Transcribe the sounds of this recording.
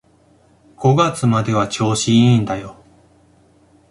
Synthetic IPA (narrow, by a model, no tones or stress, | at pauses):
ɡ̥o̞ɡat͡sɨmad̪e̞βat͡ɕo̞ːɕĩĩnd̪ajo̞